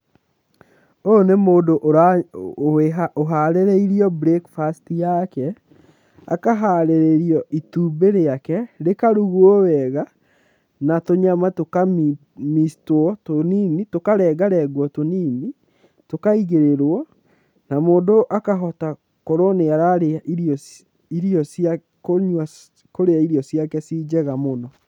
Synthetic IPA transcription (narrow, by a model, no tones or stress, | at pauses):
onemoːdoʔoɾaoeɦaoɦaɾeɾeiɾiɔbɾekfastijakɛ | a̰kaɦaɾeɾeɾiɔʔituːbeɾeakɛɾekaɾuɣuɔwɛɣa | natoɲamatoka | mistoɔtoninitokaɾɛːɡaɾɛɡwɔtoniːni | tokaiɣeɾeɾwɔ | namoːndoʔakaɦɔta | koɾoneaɾaɾeaʔiɾɔ | iɾiɔsa | koɲwa | koɾeaiɾiɔsjakɛsiːd͡ʑɛɣamonɔ